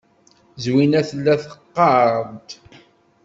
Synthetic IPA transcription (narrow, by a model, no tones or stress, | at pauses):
zwinæθəlːæθə̥qːɑɾɾˤənt̪